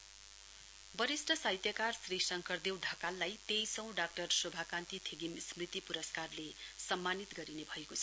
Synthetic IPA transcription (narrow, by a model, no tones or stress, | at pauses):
bʌɾisʈʰʌsajt̪jʌkarsrisʌŋkʌrd̪ewɖʱʌkalːajt̪ejsʌ̃w̃ɖak̚ʈʌrsobʱakant̪it̪ʰeɡimsmrit̪ipuɾʌskarlesʌmːanit̪ɡʌɾinebʱʌekot͡sʰʌ̥